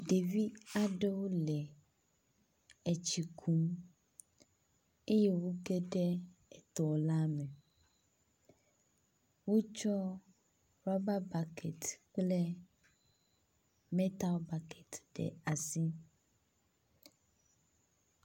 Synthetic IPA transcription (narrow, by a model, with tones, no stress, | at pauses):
ɖe˨vi˦a˨ɖɛ˦wo˦lɛ˨ | ɛ˨t͡ʃi˨kʰu˨m | e˦je˦wo˦ɡe˦ɖɛ˦ɛ˨t̪ɔ˨la˦me˨ | wo˦t͡ʃɔ˦ | ɾa˦ba˦ba˨kʰɛ˨t̪k͡plɛ˦ | mɛ̃˦t̪a˦lba˨kʰɛ˨t̪ɖɛ̰˨a˨si˦